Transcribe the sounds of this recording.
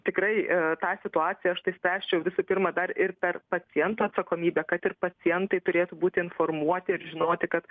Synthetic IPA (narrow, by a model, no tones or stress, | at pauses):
t̪ʲɪkɾɐɪt̪ɑːsʲɪt̪ʊɑːt͡ssʲɪjɛɐʃt̪ɐɪsʲpʲɾʲæːsʲt͡ʃʲɛjɛʊʋʲɪsʊpʲɪrmɐd̪ɐrɪrpʲɛrpɐt͡s̪ʲɪjɛnt̪uːɐt̪sɐkoːmʲiːbʲɛːkɐt̪ɪrpɐt͡s̪ʲɪjɛnt̪ɐɪt̪ʊɾʲeːt̪ubuːt̪ʲɪɪnformuɔt̪ʲɪɪɾʒʲɪnoːt̪ʲɪkɐt̪